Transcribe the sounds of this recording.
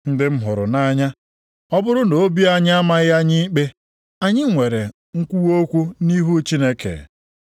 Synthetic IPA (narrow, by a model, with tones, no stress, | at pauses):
n̩˦dɪ˦m̩˦ɦʊ˨ɾʊ̰˨na˦ɲa˦ | ɔ˦bʊ˦ɾʊ˦no˨o˦bi˦a˦ɲ˦a˦ma˦ɣja˦ɲi˦k͡pe˦ | a˦ɲɪ˦ŋʷe˨ɾe˨ | ŋ̩˦kʷu˦wo˦kʷu˦ni˦ɦu˦t͡ʃi˦ne˦kḛ˨